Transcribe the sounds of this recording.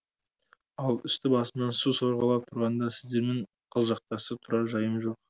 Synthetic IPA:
ɑlˠɪ̰st̪ɪbɑsənɑnsusoɾʁɑlˠɑp̚t̪ʰʊɾʁɑnd̪ɑsɪzd̪e̞ɾmeɴ | qʰəlˠʒɑq̚t̪ɑsət̪ʰʊɾɑʒɑjəmʒo̞q̚

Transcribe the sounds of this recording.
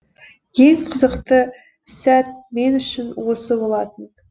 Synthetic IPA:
je̞ŋqʰəzəqt̪ə | sæt̪̚me̞nʏʃɪnwo̞səbo̞lˠɑt̪ən

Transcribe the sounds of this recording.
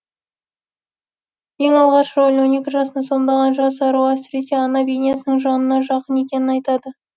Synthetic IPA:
je̞ŋɑlˠʁɑʃɾolʲwo̞ne̞kʲɪʒɑsənɑso̞md̪ɑʁɑnʒɑs̬ɑɾuasɪɾeseɑnɑbenijasənəɴʒɑnənɑʒɑqəne̞kʲe̞nɪnɑjt̪ɑd̪ə

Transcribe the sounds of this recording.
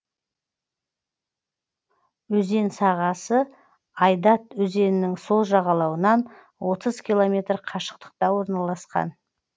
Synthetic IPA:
ɵze̞nsɑʁɑsə | ɑjd̪ɑt̪ɵze̞nɪnɪŋso̞lˠʒɑʁɑlˠɑwənɑn | wo̞t̪əzkʲilˠo̞mʲe̞t̪ɾqʰɑʃə̥qt̪ə̥q̚t̪ɑwo̞ɾnɑlˠɑsqɑ̰n

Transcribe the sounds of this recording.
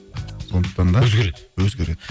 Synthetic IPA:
sond̪əq̚t̪ɑnd̪ɑzɡʲeɾewɵzɡʲeɾed̪ɪ

